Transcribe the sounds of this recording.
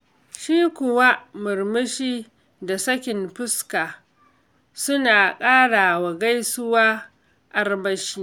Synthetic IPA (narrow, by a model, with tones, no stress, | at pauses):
ʃiː˦kʷʊ˨wa˦mʊ˨rmɪ˦ʃiː˦ | da˨sɐ˦kʲɪ˨mɸɪ˦skaː˨ | sʊ˦naː˨kʼaː˦ɽaː˨wa˨ɡa˦jsʊ˦waː˦ | ʔa˦rbɐ˦ʃiː˦